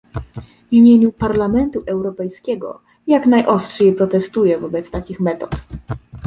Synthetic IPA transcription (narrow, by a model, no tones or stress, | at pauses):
vʲimʲjeɲupaɾlamɛnt̪uʔɛwɾɔpɛjskʲɛɡɔ̰ | jaknajʔɔstʂejpɾɔt̪ɛst̪ujɛvɔbɛt̪st̪akʲixmɛt̪ɔt̪